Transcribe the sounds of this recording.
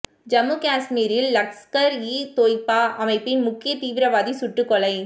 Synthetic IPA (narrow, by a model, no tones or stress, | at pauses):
d͡ʒɐmukaːsmiːɾɪlːɐkskɐɾiːt̪oːjpːaːʔɐmɐɪpːɪnmʊkːɪjɐt̪iːʋɪɾɐʋaːðisʊʈːɯkːɔɭɐɪ